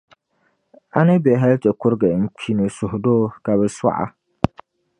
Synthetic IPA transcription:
a˦nɪ˦bɛ˨ɦɛ˦ltɛ˨kʊ˦ɾɡɛ˨n̩˦k͡pʰi˦nu˨sʊ˨hʊ˨doː˦ka˨βɛ˨swa̰˦ʔa̰˦

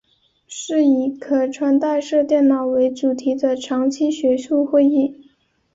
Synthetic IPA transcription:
ʂɻ̩˥˩i˧˥kʰɤ˨˩ʈ͡ʂʰwa˧˥nt̪a˥˧ɪʂɤ˥˧t̪jɛ˥˩nnɑ˨˩ʊwe˧˥ɪʈ͡ʂu˨˩t̪ʰi˧˥d̪ə˧ʈ͡ʂʰɑ˧˥ŋt͡ɕʰi˥ɕɥɛ˧˥ʂu˥˧xwe˥˧ɪi˥˩

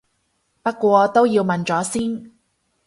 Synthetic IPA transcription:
pɐ˥kːʷɔː˧t̪o˥wjiː˧wmɐ˨nt͡sɔː˨˥siː˥n

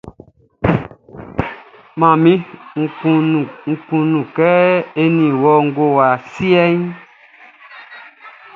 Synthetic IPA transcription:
mã˨mĩ˦ŋ̩˨u˨ŋ̩˦kũ˨nũ˨kɛ˦e˦nĩ˨wɔ˦ŋ̩˦ɡo˦wa˨si˦ɛ˦ɲ

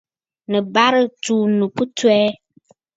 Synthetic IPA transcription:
nə̃˨ba˦ɾə˦tu˨nũ˨pu˦tu˦ɛ˦

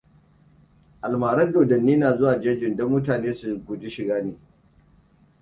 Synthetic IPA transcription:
ʔa˨lmaː˨ɾɐ˦ndoː˨dɐ˨nːiː˦naː˨zʊ˦waː˨d͡ʒeː˦d͡ʒɪ˨ndɔ˦mːʊ˦taː˨neː˦su˨ɡʷʊ˨d͡ʒi˦ʃɪ˨ɡaː˦neː˨

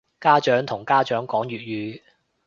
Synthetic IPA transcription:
kaː˥t͡ʃœː˨˥ŋt̪ʰʊ˨˩ŋkaː˥t͡ʃœː˨˥ŋkɔː˨˥ŋɥyː˨t̚ɥyː˨˧

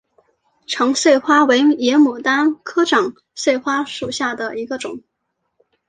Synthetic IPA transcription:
ʈ͡ʂʰɤ˧˥ŋswe˥˩ɪxwa˥we˧˥ɪjɛ˧˥mu˨˩t̪a˥nkʰɤ˥ʈ͡ʂɑ˨˩˦ŋ | swe˥˩ɪxwa˥ʂu˨˩ɕja˥˩d̪ə˩i˧˥ɡə˧ʈ͡ʂʊ̰˨˩˦ŋ

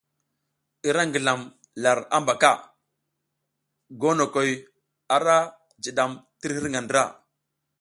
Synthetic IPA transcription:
i˨ɾa˦ŋɡə˨ɮa˨m | la˨ɾa̰˦mba˨ka˦˨ | ɡo˦no˨ko˨j | a˨ɾa˦ | d͡ʒi˨ɗa˨mti˦ɾhi˦ɾŋɡa˨ndə˨ɾa̰˦˨

